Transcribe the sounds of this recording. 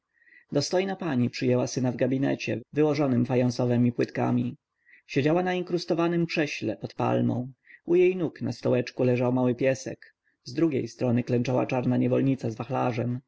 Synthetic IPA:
d̪ɔst̪ɔjnapaɲipʂɘjɛwasɘnavɡabʲinɛ̰t͡ɕɛ̰vɘwɔʐɔnɘmfajɔñsɔvɛmʲipwɘt̪ka̰mʲi | ɕed͡ʑawanaiŋkɾust̪ɔvanɘmpʂɛɕlɛ̰pɔt̪pa̰lmɔ̰̃w̃ujejnuknast̪ɔwɛt͡ʂkulɛʐawmawɘpʲjɛsɛ̰k | zd̪ɾuɡʲḛjst̪ɾɔnɘklɛnt͡ʂawa̰t͡ʂaɾnaɲɛvɔlɲit̪sazvaxla̰ʐɛm

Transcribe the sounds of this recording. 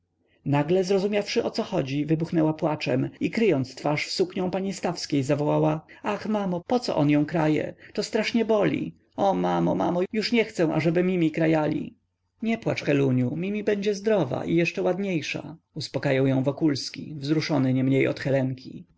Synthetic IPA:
naɡlɛzɾɔzumʲafʂɘʔɔt̪sɔxɔd͡ʑivɘbuxnɛwapwat͡ʂɛmikɾɘjɔnt̪st̪faʂfsukɲɔ̃w̃paɲist̪afskʲejzavɔwawaaxmamɔpɔt̪sɔ̰ʔɔnjɔ̃w̃kɾajɛ̰t̪ɔst̪ɾaʂɲɛbɔlʲḭ | ɔmamɔmamɔjuʂɲɛxt̪sɛ̃w̃ʔa̰ʐɛbɘmʲimʲikɾajalʲḭ | ɲɛpwat͡ʂxɛluɲumʲimʲibɛɲd͡ʑɛzd̪ɾɔva̰ʔijɛʂt͡ʂɛwad̪ɲejʂa̰ | uspɔkajawjɔ̃w̃vɔkulskʲḭvzɾuʂɔnɘɲɛmɲejɔ̰t̪xɛlɛŋkʲḭ

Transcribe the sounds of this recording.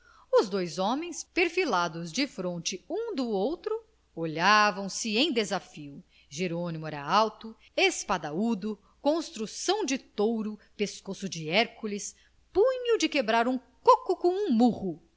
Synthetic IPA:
ʊzd̪ojzɔ̃mẽj̃speɾfilad̪ʊzd͡ʒɪfɾõnt͡ʃɪũd̪ʊowt̪ɾʊ | oʎavɐ̃w̃sɪẽj̃d̪ezafiʊ | ʒeɾõnimuɛɾɐawt̪ʊ | espad̪aud̪ʊ | kõst̪ɾusɐ̃w̃d͡ʒɪt̪owɾʊpeskosʊd͡ʒɪɛɾkulɪs | pũɲud͡ʒɪkebɾaɾũkokʊkõw̃ũmuʁʊ

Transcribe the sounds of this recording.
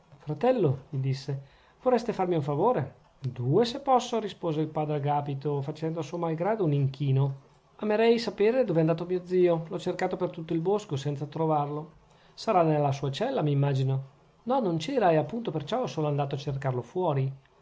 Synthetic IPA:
fɾat̪ɛlːomid̪isːe | vorɛst̪efarmiuɱfavoːɾḛ | d̪uːesepːɔsːoɾispoːzeilpaːd̪ɾeɡaːpit̪ofat͡ʃɛnd̪oasuomalɡɾaːd̪ouniŋk̟iːno | ameɾɛjsapeːɾed̪oːvɛnd̪aːt̪omiːod̪ziːolɔt͡ʃerkaːt̪opert̪ut̪ːoilboskosɛnt̪sat̪ɾovarlo | saɾanelːasuːat͡ʃɛlːamimːaːd͡ʒino | nɔnont͡ʃɛːɾaeapːunt̪opert͡ʃɔsoːnoand̪aːt̪oat͡ʃːerkarlofwɔːɾi

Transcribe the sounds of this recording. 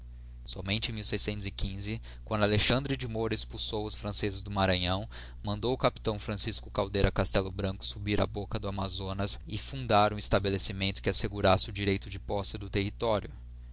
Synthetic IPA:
sɔmẽnt͡ʃɪẽmiwsejsẽnt̪ʊzɪkĩzɪ | kwɐ̃nd̪ʊaleʃɐ̃nd̪ɾɪd͡ʒimoɾɐispuwsowʊsfɾɐ̃sezɪzd̪ʊmaɾɐ̃ɲɐ̃w̃ | mɐ̃nd̪owʊkapi̥t̪ɐ̃w̃fɾɐ̃siskʊ̥kawd̪ejɾɐkast̪ɛlʊbɾɐ̃kʊ̥subiɾɐ̰bokɐd̪ʊamazonɐsɪfũnd̪aɾũist̪abelesimẽnt̪ʊ̥kɪaseɡuɾasɪʊd͡ʒiɾejt̪ʊd͡ʒɪpɔsɪd̪ʊt̪ehit̪ɔɾjʊ

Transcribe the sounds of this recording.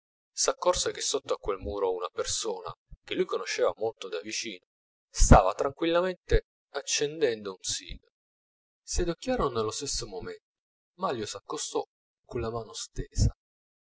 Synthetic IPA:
sakːɔrsek̟esːot̪ːoakwelmuːɾounapersoːna̰k̟elːujkonoʃːeːvamolt̪od̪avit͡ʃiːno | st̪aːvat̪ɾaŋkwilːament̪e | at͡ʃːend̪ɛnd̪ounsḭːɡa | sed̪okːjaːɾononelːost̪esːomoment̪o̥ | maljosakːost̪ɔ | konlamaːnost̪eːsa̰

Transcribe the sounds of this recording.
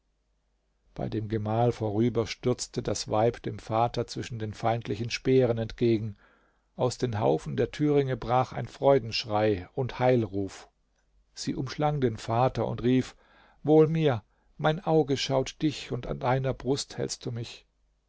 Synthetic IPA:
b̥a̰ɪdeːmɡəmaːlfoːʁyːbɐʃtʏɐt͡stʰədasv̥aɪpd̥eːmfaːtɐt͡sv̥ɪʃn̩deːnfaɪntʰlɪçn̩ʃpeːʁ̞ənɛntɡ̥eːɡŋ̩ | ʔaʊsd̥eːnɦa̰ʊfn̩deːɐtʰyːʁ̞ɪŋəbʁaːxa̰ɪnfʁ̥ɔʏdn̩ʃʁ̥aɪʊnthaɪlʁuːf | z̥ḭːʔʊmʃlaŋdeːnfaːtɐʊ̰ntʁiːf | voːlmiːɐ | maɪnʔaʊɡəʃaʊtd̥ɪçʊnta̰ndaɪnɐbʁʊsthɛ̰lst̚d̥uːmɪç

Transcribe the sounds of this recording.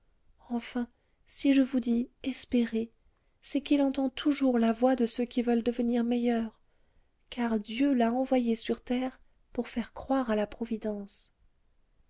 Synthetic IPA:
ɑ̃fɛ̃ | siʒəvud̪iɛspeʁe | sɛkilɑ̃t̪ɑ̃t̪ʰuʒuʁlavwad̪əsøkʲivœld̪əvəniʁmejœʁ | kaʁd̪jølaɑ̃vwajesyʁt̪ɛʁ | puʁfɛʁkχwaʁalapχɔvid̪ɑ̃s

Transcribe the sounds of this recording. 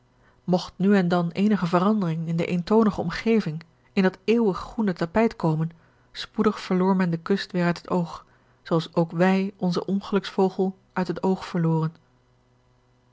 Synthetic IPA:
mɔχtnyɛndɑnejnəχəvərɑndərɪŋɪndə̰ʔejntownəχəɔmχejvɪŋ | ɪndɑteːwəχːunətapɛjtkowmən | spudəχfəɹlʊːɹmɛndəkɵstʋɪːɹœɥtɦətowχ | soɑlˠsowkʋɛjɔnzəʔɔnχəlɵksfowχəlˠ | ʔœɥtɦətowχfəɹlʊːrən

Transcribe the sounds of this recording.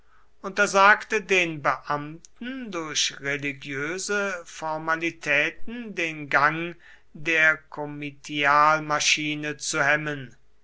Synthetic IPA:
ʔʊntɐzaːktədeːnbəʔamtn̩dʊɐɕʁeliɡjøːzəfɔɐmalitʰɛːt̚n̩deːnɡaŋ | deːɐkʰɔmitʰiaːlmaʃiːnət͡suhɛmən

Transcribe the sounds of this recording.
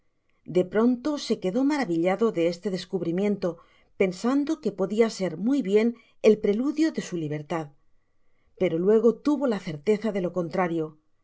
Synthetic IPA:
d̪e̞pɾo̞nt̪o̞se̞ke̞ðo̞maɾaβiʎaðo̞ðe̞est̪e̞ðe̞skuβɾimjẽ̞nt̪o̞ | pe̞nsand̪o̞ke̞po̞ðiase̞ɾmujβje̞n | e̞lpɾe̞luðjo̞ðe̞suliβ̞e̞ɾt̪að | pe̞ɾo̞lwe̞ɣ̞o̞t̪uβo̞laθe̞ɾt̪e̞θaðe̞lo̞ko̞nt̪ɾaɾjo̞

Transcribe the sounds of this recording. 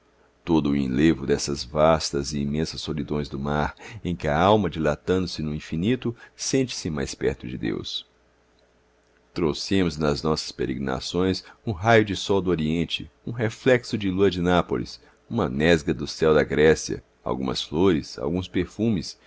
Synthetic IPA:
t̪od̪ʊːḭ̃levʊd̪ɛsɐzvast̪ɐzɪimẽsɐsːolid̪õj̃zd̪ʊmaɾẽj̃kɪɐawmɐd͡ʒilat̪ɐ̃nd̪ʊsɪnʊĩfinit̪ʊsẽnt͡ʃɪ̥sɪmajspɛ̰ɾt̪ʊd͡ʒɪd̪ḛws | t̪ɾowsẽmʊznɐznɔsɐ̥speɾeɡɾina̰sõj̃sũɦajʊd͡ʒɪsɔwd̪ʊoɾiẽnt͡ʃɪ̰ũɦeflɛksʊd͡ʒɪluɐd͡ʒɪnapolḭs | ũmɐnɛzɡɐd̪ʊsɛwd̪ɐɡɾɛsiɐ̰ | a̰wɡũmɐ̰sfloɾɪsa̰wɡũspeɾfũmɪs

